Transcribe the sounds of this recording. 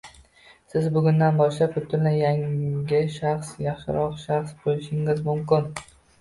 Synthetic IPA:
sɪzbʊɡʲʊnd̪anbɒʃlapʊt̪ʰːɪɾlɪjaŋɡʲɪʃaχsjɑχʃɪ̰ɾɒqʃaχsbolɪʃɪŋɪzmʊmkʲɪn

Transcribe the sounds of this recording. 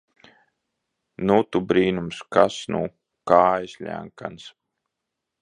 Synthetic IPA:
nut̪ubɾiːnumskasnṵ | kaːjsʲʎʲæ̰ŋka̰ns

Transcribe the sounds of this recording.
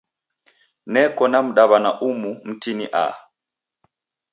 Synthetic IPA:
nɛkɔnam̩ɗaβanaʔumum̩tiniʔa̰

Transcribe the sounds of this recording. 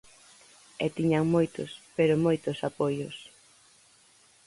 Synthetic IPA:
ɛt̪iɲaŋmojt̪ʊ̰speɾʊmojt̪ʊsapojʊs

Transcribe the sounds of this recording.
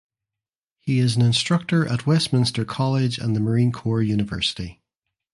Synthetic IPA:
hiɪzə̃nɪ̃nstɹ̥ʌk̚tə˞ʔə̰ʔwɛsmɪ̃nstə˞kʰɔlˠɪd͡ʒə̰̃nðəmə˞ĩnkʰɔɹjʉnɪvɜ̰˞sɪ̥ti

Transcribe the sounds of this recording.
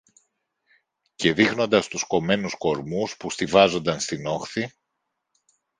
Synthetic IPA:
ce̞ðixno̞nd̪ɐst̪usko̞me̞nusko̞ɾmuspust̪ivɐzo̞nd̪ɐnst̪ino̞xθi

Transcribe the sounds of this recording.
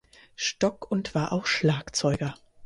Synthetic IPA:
ʃtɔkʊntv̥aːɐʔaʊxʃlaːkt͡sɔʏɡɐ

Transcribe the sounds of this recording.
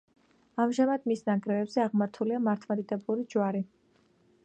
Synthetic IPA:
amʒamad̪misnaɡɾɛvɛbz̥ɛaʁmaɾt̪ʰuliamaɾt̪ʰmad̪id̪ɛbuɾid͡ʒwaɾi

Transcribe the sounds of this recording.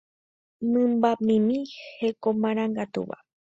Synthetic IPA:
nɨ̃mbamĩmĩhekomãɾ̃ãŋɡat̪ṵʋa̰

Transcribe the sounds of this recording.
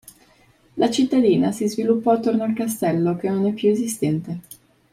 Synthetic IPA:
lʔat͡ʃit̪ːad̪iːnasizvilupːɔat̪ːornoalkast̪ɛlːok̟enonɛpːjuezist̪ɛnt̪e

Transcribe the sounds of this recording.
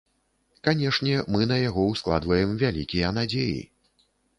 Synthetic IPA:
kanʲɛʂnʲɛmɨnɐjaɣɔwsklˠa̰d̪vɐjɛmvʲalʲikʲijɐnad͡zʲejḭ

